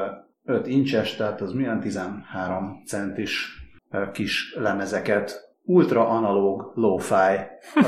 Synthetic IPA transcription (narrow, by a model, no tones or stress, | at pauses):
øt̪int͡ʃɛʃt̪ɛɦat̪ɒzmiɛnt̪izɛnhaːɾomt̪sɛnt̪iʃ | kiʃlɛmɛzɛkɛt̪ | ult̪rɒʔɒnɒloːɡloːfaːj